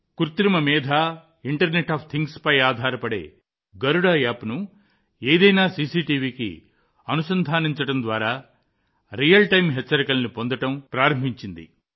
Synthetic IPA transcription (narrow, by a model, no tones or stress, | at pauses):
kuɾt̪ɾimɐmiːd̪ʱa | iɳʈɐɾneʈaːpʰt̪ʰiŋɡspɐjaːd̪ʱaːɾɐpɐɽe̞̰ː | ɡɐɾuɽaːjaːpnu | eːd̪ɐjnaːsiːsiːʈiːʋiːkḭ | ɐnusɐnd̪ʱaːniɲt͡ʃɐʈɐnd̪ʋaːɾaː | ɾijɐlʈɐjmɦɛt͡ʃːɐɾikɐlnipo̞nd̪ɐʈɐmpɾaːɾɐmbʱiɲt͡ʃind̪ḭ